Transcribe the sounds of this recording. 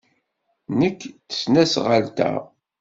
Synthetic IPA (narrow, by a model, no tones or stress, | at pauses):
nəkːθə̥snæsʁəlt̪æ̰